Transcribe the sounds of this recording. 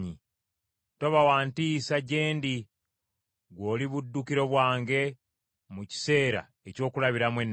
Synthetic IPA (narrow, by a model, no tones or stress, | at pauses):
ɲi | to̞βawaːntisaɟe̞ːndi | ɡwo̞ːliβudːukiɾo̞βwaːŋɡe̞ | muci̥se̞ːɾa̰ | eco̞ːkulaβiɾamwe̞nː